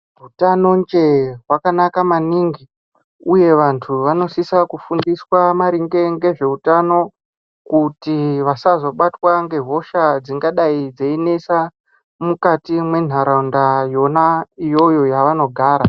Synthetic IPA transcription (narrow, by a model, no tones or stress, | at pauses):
ɦutano̞nd͡ʒe̞ɦwakanakamaniːŋɡi | uje̞ʋantʰuʋano̞sisakufundiswamaɾiŋɡe̞ŋɡe̞ʐe̞utano̞ | kutiʋasazo̞ɓatwaŋɡe̞ɦo̞ʃad͡ziŋɡaɗaid͡zeine̞sa | mukatimwe̞n̤aɾaundajo̞naijo̞jo̞jaʋano̞ɡʱaːɾa